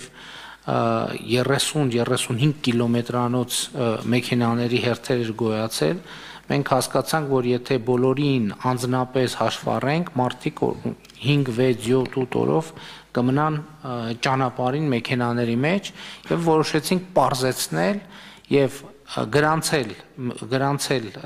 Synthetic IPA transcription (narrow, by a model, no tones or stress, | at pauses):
v | jɛrɛsunjɛrɛsunɦiŋɡ̚kːilɔmɛt̪ɾɑnɔt͡sʰmɛkʰɛnɑnɛɾiɦɛrt̪ʰɛɾɛɾɡɔjɑt͡sʰɛ̰l | mɛŋkʰhɑskɑt͡sʰɑŋkʰvɔɾjɛt̪ʰɛbɔlɔɾinɑnd͡znɑpɛshɑʃvɑ̰rɛŋkʰmɑɾt̪ʰikʰ | hiŋɡvɛt͡sʰjɔt̪ʰut̪ʰɔ̰ɾɔ̰v | kəmənɑnt͡ʃɑnɑpɑɾinmɛkʰɛnɑnɛɾimɛt͡ʃʰjɛvːɔɾɔʃɛt͡sʰiŋk̚ʰpɑɾzɛt͡sʰnɛl | jɛv | ɡəɾɑnt͡sʰɛlɡəɾɑnt͡sʰɛl